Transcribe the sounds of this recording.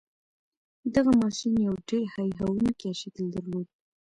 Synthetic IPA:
d̪aɣamɑʃinjawɖeɾhajɦawunkeaʃed̪əld̪əɾlod̪i

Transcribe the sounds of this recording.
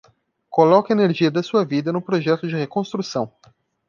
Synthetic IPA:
kolɔkɐeneɾʒiɐd̪ɐsuɐvid̪ɐnʊ̃pɾoʒɛt̪ʊd͡ʒɪhekõst̪ɾusɐ̃w̃

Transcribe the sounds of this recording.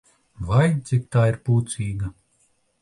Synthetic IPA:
vajt̪sʲik̚t̪aːiɾpuːt̪siːɡɐ

